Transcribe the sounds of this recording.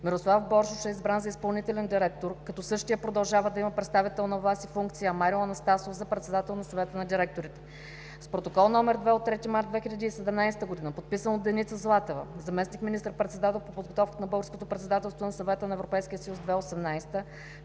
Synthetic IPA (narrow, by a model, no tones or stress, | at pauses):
miɾoslˠafbɔɾʃʊʃɛizbɾanzɐispɐlˠnit̪ɛlɛnd̪iɾɛk̚t̪oɾkɐt̪ɔsɤʃt̪ijəpɾod̪ɐlˠʒavəd̪ɐiməpɾɛt̪st̪avit̪ɛlˠnɐvasifuŋkt̪sijəmaɾilˠɐnɐst̪asofzɐpɾɛt̪sɛd̪at̪ɛlˠnɐsɐvɛt̪ənɐd̪iɾɛk̚t̪oɾit̪ɛ | spɾot̪okɔlˠnɔmɛɾd̪vɛot̪ːɾɛt̪imaɾt̪d̪vɛxʲilʎʲɐd̪iːsɛd̪ɛmnajsɛ̥t̪əɡod̪inəpot̪̚pisənod̪ɛnit̪səzlˠat̪ɛvə̰zɐmɛsnikminist̪əɾpɾɛt̪sɛd̪at̪ɛlˠpopod̪ɡot̪ɔfkət̪nɐbɤlˠɡɾskot̪opɾɛt̪sɛd̪at̪ɛlˠst̪vonɐsɐvɛt̪ənɐɛvɾopɛjskʲijəsəjuzd̪vɛosɛmnajst̪ə